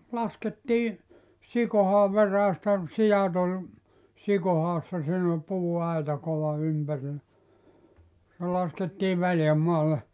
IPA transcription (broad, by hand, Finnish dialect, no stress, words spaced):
lɑsketːiː sikohɑːʋ ʋeræːstæ sijɑt ol sikohɑːsːɑ siːn ol puːɑitɑ koʋɑ ympærilːæ se lɑsketːiː ʋæljæmːɑːlːe